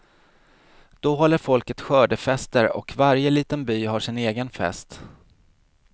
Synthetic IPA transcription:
d̪̥ɔɦɔlːəɾfɔlkət̪ɧœːɖəfɛst̪əɾɔ̰kvaɾjəliːt̪ənbyːɦaʂɪneːɡənfɛ̰st̪

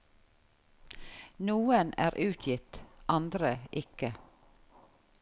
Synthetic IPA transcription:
nuːənæːɾʔʉːt̪ʰjɪt̪ʔɑnd̪ɾəʔɪkə

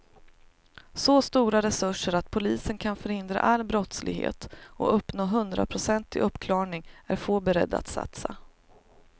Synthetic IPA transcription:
sɔst̪uːɾaɾɛsɵʂəɾat̪pʰʊliːsənkʰanfœɾhɪnd̪ɾa̰ʔalːbɾɔt̪slɪ̰ɡɦḛːt̪ɔ̰ʔɵpːnoːɦɵnd̪ɾa̰pʰɾʊsɛnt̪ʰːɪ̰ʔɵpːkʰlɑːɳɪŋæɾfoːbɛɾɛ̰d̪ːa̰t̪sa̰t̪sa

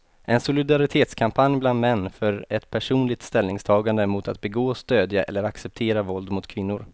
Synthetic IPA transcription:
ʔɛnsʊlɪd̪aɾɪt̪ʰeːt̪skʰampʰanjbland̪mɛnːfœɾɛt̪pʰæʂuːnlɪɡ̚t̪st̪ɛlnɪŋst̪ʰɑːɡand̪əmʊt̪ʰat̪̚bɛɡoːɔst̪øːd̪jaʔɛ̰lːəɾaksɛp̚t̪ʰeːɾavɔld̪mʊt̪kʰvɪnːʊɾ

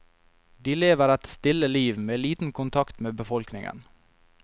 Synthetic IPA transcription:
d̪iːleːʋəɾæt̪st̪ɪləliːʋmeːliːt̪n̩kʰʊnt̪ʰɑkt̪meːbəfɔlknɪŋʔə̰n

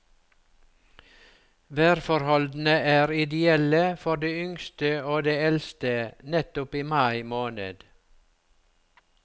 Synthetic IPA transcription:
ʋæːɾfɔɾhɔld̪n̩əʔæːɾɪd̪ɪɛləfɔɖeːʏŋst̪əoːd̪eːɛlst̪ənɛt̪ʊpiːmɑɪmoːnə̰d̪̥

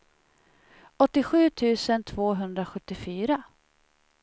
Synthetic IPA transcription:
ɔt̪ːɪɧʉ̟ːt̪ʰʉ̟ːsənt̪ʰvoːɦɵnd̪ɾaɧɵt̪ːɪfyːɾa

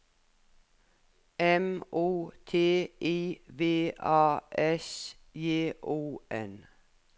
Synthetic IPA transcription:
ɛmʔuːt̪ʰeːʔiːʋeːʔɑːʔɛs | jeːʔuːʔɛ̰n

